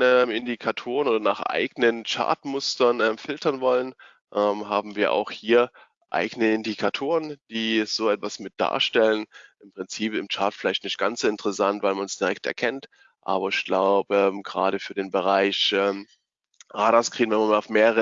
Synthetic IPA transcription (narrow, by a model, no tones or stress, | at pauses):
ɛmɪndikʰatʰoːʁənoːdɐnaːχʔa̰ɪɡənənt͡ʃa̰ɐtmʊstɐnʔɛːmfɪltɐnvɔlən | ʔɛːmɦaːbm̩viːɐʔa̰ʊxhiːɐ | ʔa̰ɪɡənəɪndikʰatʰoːʁənd̥iːz̥oːɛtv̥asmɪt̚d̥a̰ːɐʃtɛlənʔɪmpʁ̥ɪnt͡siːpɪmt͡ʃaɐtfɪlaɪçtnɪçtɡ̥ant͡sz̥oːɪntə̥ʁəsantvaɪlmansd̥iʁɛktɛ̰ɐkʰɛnt | ʔa̰ːbɐɪçɡ̥laʊbəɛːmɡəʁa̰ːɾəfyːɐdeːnbəʁ̞aɪçʔɛːm | ʔaːɾaskʁ̥iːnvɛnmanmalaʊfmeːʁəʁə